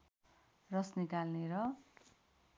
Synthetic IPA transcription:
rʌsnikalneɾʌ

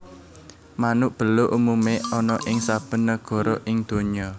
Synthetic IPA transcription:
manʊʔb̥ə̤loʔumumeɔnɔʔɪŋsab̥ə̤nːəɡ̥ɔ̤ɾɔʔɪŋd̪̥o̤ɲɔ

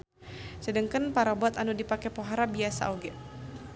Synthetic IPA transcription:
sədəŋkənpaɾabɔt̪anudipakɛpoɦaɾabiasa̰ʔoɡɛʔ

